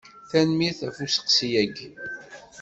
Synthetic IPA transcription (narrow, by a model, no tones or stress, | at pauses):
θænmiɾθæfusə̥qsjæɡ